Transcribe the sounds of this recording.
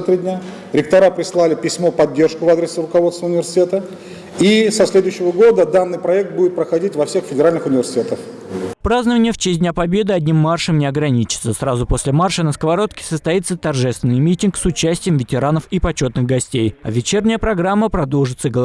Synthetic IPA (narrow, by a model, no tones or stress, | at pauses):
t̪ɾʲidʲnʲa | ɾʲɪk̚t̪ɐɾapɾʲɪslˠalʲɪpʲɪsʲmo̞pɐdʲːe̞rʂkʊvad̪ɾʲɪsərʊkɐvost̪vəʊnʲɪvʲɪrsʲɪ̥tʲet̪ə | isɐsʲlʲe̞d̪ʊjɕːɪvəɡo̞d̪əd̪anːɨjpɾɐɛk̚t̪̚budʲɪt̪̚pɾəxɐdʲitʲvɐfsʲexfʲɪdʲɪɾalʲnɨxʊnʲɪvʲɪrsʲɪ̥tʲet̪əf | pɾaznəvənʲɪjəft͡ɕesʲtʲdʲnʲapɐbʲe̞d̪ɨɐdʲnʲimːarʂəmnʲɪɐɡɾɐnʲit͡ɕɪ̥t̪səsɾazʊpo̞sʲlʲɪmarʂənəskəvɐɾo̞t̪kʲɪ̥səst̪ɐit̪sət̪ɐrʐɛst̪vʲɪnːɨjmʲitʲɪnksʊt͡ɕæsʲtʲɪjəmvʲɪtʲɪɾanəfipɐt͡ɕo̞t̪nɨxɡɐsʲtʲejɐ̰vʲɪt͡ɕernʲɪjəpɾɐɡɾamːəpɾɐd̪o̞lˠʐɨt̪səɡəlˠ